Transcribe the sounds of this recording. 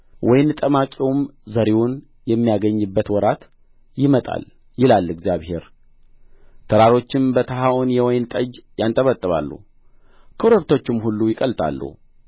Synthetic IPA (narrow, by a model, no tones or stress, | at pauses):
wʔɔjnt̪ʼəmakʼiwmzəɾewʊn | jɛmːijaɡəɲːɨbːət̪wɔɾat̪ | jɪmət̪ʼa̰l | jɪlalːɨɡzjaβhe̞ɾ | t̪ʰəɾaɾo̞t͡ʃːɪmbət̪ʰəɦaʔunjɛwɔjnt̪ʼəd͡ʒjant̪ʼəβət̪ʼːɨβa̰lːṵ | kʰəɾəβt̪ʰo̞t͡ʃːɪmɦulːujɪkʼəlt̪ʼʰa̰lːṵ